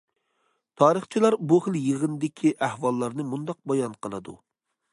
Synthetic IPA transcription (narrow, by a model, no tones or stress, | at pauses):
t̪ʰɑːɾəχt͡ʃʰilˠɑɾbuχəlˠjəʁənd̪ɪkʲʰiʔæhwɑlˠːɑɾnɨmund̪ɑq̚bɑjɑnqəlˠɨd̪ṵ